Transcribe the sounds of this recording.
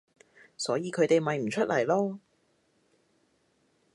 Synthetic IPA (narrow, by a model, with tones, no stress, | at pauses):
sɔː˨˥jiː˨˧kʰɵ˨˧ɥt̪e˨jmɐ˨jm̩˨˩t͡ʃʰɵ˥t̚lɐ˨˩jlɔː˥